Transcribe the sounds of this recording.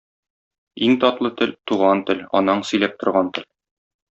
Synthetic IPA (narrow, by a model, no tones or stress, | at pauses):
iŋt̪ɒt̪lˠɤt̪ɘlt̪uʁɑnt̪ɘlɒ̰nːɑɴsɵ̆jlæp̚t̪ŏɾʁɑnt̪ɘ̆l